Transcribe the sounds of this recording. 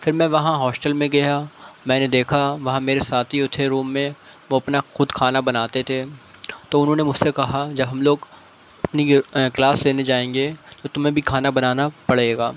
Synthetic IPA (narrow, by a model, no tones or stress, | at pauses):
fɪɾmɛ̃ʋɐɦãɦɔːsʈəlmẽɡɐjamɛ̃ːned̪eːkʰaʋɐɦãmeːɾesaːt̪ʰiʊt̪ʰeɾuːmːẽ | ʋoɐpnaxʊd̪kʰaːnabɐnaːt̪et̪ʰeːt̪oʊnɦõːnemʊd͡ʒsekɐɦad͡ʒɐbɦɐmloːɡ | ɐpniklaːsleːned͡ʒaːẽːŋɡet̪ot̪ʊmɦẽbʱikʰaːnabɐnaːnapɐɽ̤eːɡaː